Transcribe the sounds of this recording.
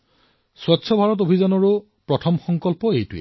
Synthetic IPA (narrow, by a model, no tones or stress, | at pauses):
swɔtːsʰɔbʱaɹɔt̬obʱizɔnɔɹu | pɹɔtʰɔmxɔŋkɔlpɔejtuḛ